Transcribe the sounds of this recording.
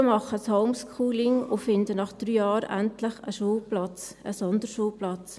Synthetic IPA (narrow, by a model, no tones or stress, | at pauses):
mɑχəshoʊmskʰuːlɪŋʊfɪndənɑχd̥ɾyːjɑːɾæ̰ntləχəʃuːplɑt͡səsɔndəɾʃuːplɑt͡s